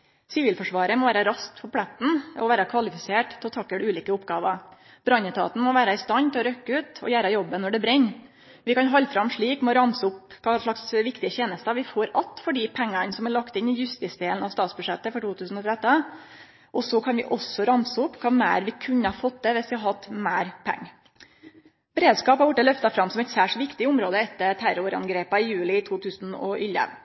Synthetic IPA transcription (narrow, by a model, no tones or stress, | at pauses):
sɪʋɪːlfɔʂʋɑːɾəmɔʋæːɾɑɾɑst̪fɔpʰlɛt̪n̩ɔʋæːɾɑkʰʋɑlɪfɪseːʈt̪ʰɑt̪ʰɑkːəɖɛʉːliːkəʊpːɡɑːʋɑ | b̥ɾɑnət̪ʰɑ̰ːt̪n̩mɔʋæːɾɑɪst̪ɑnt̪ʰɛɔɾœkːəʉːt̪ɔ̰jæːɾɑjɔbːənːɔɖɛbɾɛɲː | ʋɪkɑnɦɑlːfɾɑmʂɭiːkmɔɾɑmsəʊpkʰɑːʂɭɑksʋɪkt̪ɪəçeːnəst̪əɑʋɪfoːɾɑt̪ːfɔɖipʰæŋːɑnsɔmæɭɑkt̪ɪnːɪjʉst̪ɪsd̪eːln̩ɑʋst̪ɑːt̪sbʉd̪ʂɛt̪ːəfɔʈuːt̪ʰʉːsn̩ɔt̪ʰɾæt̪ːə | ʔɔsɔkʰɑnʋɪ̰ʔɔsɔɾɑmsəʊpːkʰɑːmæ̰ːɾʋɪkʰʉɲːəhɑfɔt̪̚d̪ɛʋɪsʋɪhɑɾɦɑt̪ːmæːɾpʰɛ̰ŋː | b̥ɛɾeːd̪skɑːpɑʋʊʈːəlœft̪ɑfɾɑmsɔmɛɪt̪sæːʂɔʋɪkt̪ɪʊmɾoːd̪əɛt̪ːəʈ̪ʰæɾʊɾɑ̰nɡɾeːpɑɪjʉːlɪt̪ʰuːt̪ʰʉːsnɔ̰ʔʏlːə̰